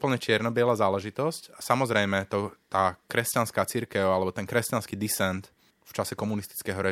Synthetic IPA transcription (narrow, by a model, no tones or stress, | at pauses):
upl̩ɲɛt͡ʃɪɛɾnɔbɪɛlaːzaːlɛʒit̪ɔscasamɔzɾɛjmɛt̪ɔt̪aːkɾɛscanskaːt͡siɾkɛʊalɛbɔt̪ɛnkɾɛscanskiːd̪isɛnt̪ | ft͡ʃasɛkɔmunist̪i̥t͡skɛɦɔɾɛ